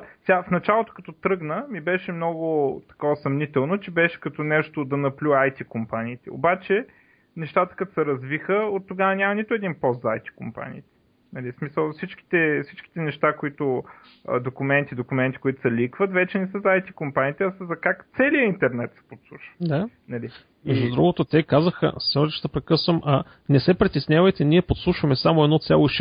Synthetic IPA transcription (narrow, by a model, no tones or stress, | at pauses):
sɛɡafnɐt͡ʃalˠot̪o̥kɐt̪ɔt̪ɾɤɡnəmibɛʃɛmn̪ɔɡʊt̪ɐ̥kɔsɐmnit̪ɛlˠnot͡ʃɛbɛʃɛ̥kɐt̪ɔnɛʃt̪od̪ɐnɐplʲuajt̪ikompaniːt̪ɛo̰bat͡ʃɛ | nɛʃt̪at̪ə̥kɐt̪sɛɾɐzvixəot̪ːoɡavənʲamɐnit̪ʊɛd̪inpɔst̪zɐajt̪i̥kompa̰nḭːt̪ɛ̥ | nɐlismisəlˠfsit͡ʃki̥t̪ɛfsit͡ʃk̟i̥t̪ɛnɛʃt̪akoit̪ʊ | d̪okʊmɛnt̪id̪okʊmɛnt̪i̥kʊit̪ʊ̥sɛlikvət̪vɛt͡ʃɛnɛsəzɐajt̪ikompanʲiːt̪ɛɐsəzɐkakt̪sɛlijəint̪ɛɾnɛt̪sɛ̥pot̪slˠuʃə̥d̪anɐli | mɛʒd̪ud̪ɾuɡot̪ot̪ɛkazəxə̰sɛt̪ʃt̪ɐpɾɛkɤsvəmʔɐ | nɛsɛpɾit̪ɛsnʲavəjt̪ɛniɛpot̪slˠuʃvɐmɛsamoɛd̪nɔt̪sʲalˠoʃ